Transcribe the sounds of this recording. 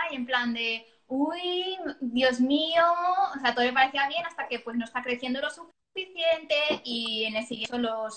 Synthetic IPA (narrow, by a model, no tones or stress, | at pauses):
aje̞mpland̪e̞ | ujðjo̞zmioseat̪oðole̞paɾeθiaβje̞nast̪ake̞pwe̞zno̞est̪akɾe̞θjend̪o̞lo̞suf | fiθje̞nt̪e̞ienesiɣeolos